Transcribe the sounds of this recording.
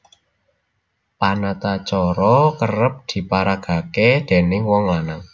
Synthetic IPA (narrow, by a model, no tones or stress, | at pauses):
panat̪at͡ʃɔɾɔkərəp̚d̪̥i̤paɾaɡ̥a̤ked̪̥e̤nɪŋwɔŋanaŋ